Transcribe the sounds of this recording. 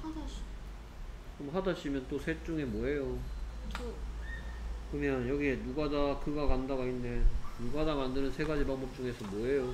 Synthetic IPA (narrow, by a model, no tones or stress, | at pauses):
hada | omɦadaɕ͈ʰimjʌnt͈osʰe̞t͡ɕ͈uŋe̞mwʌɦe̞jot͡ɕʰ | kɯmjʌnjʌɡienuɡadakɯɡakandaɡainːe̞nuɡadamandɯɾɯnsʰe̞ɡad͡ʑibaŋbʌp̚t͡ɕ͈uŋe̞sʰʌmwʌɦe̞jo